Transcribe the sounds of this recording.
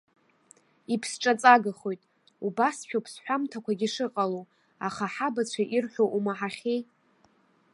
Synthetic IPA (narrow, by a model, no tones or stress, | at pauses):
ipʰsʈ͡ʂʼat͡sʼaɡaχo̞jtʼ | ubasʃᶣapʰsħʷᶣamtʰakʷaɡʲiʂɨqʼalow | aχaħabat͡ɕʷʰaʔirħʷᶣoʔumaħaχʲej